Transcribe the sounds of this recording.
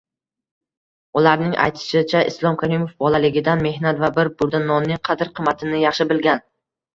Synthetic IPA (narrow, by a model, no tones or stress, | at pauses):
ʊlaɾnɪŋʔa̰jt̪ʰɪ̥ʃɪt͡ʃʰaʔɪ̰slˠɒmkʲʰaɾɪmofbɒlalɪɡʲɪd̪anme̞hnat̪vabɪɾbʊɾd̪anːɒnːɪŋqʰɑd̪ɪɾqʰɨmːat̪ʰɪnɪjɑχʃɪbɪlɡʲan